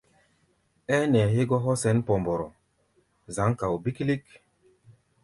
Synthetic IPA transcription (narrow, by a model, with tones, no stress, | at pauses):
ɛ˦nɛ˨ɦe˦ɡɔ˦ɦɔ˦sɛ˨˦npɔ˨mbɔ˨ɾɔ˨ | za˨˦ŋka˨wbi˦kli˦k